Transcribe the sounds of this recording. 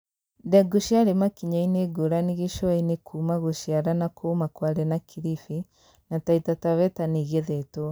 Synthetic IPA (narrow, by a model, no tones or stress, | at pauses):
dɛɡoʃiaɾemakiɲaineɡoɾaniɣeʃwainekʰuːmaɣoʃjaɾanakʰomakwaɾɛnakʰiɾifi | nataitataβɛtaniɣeðɛto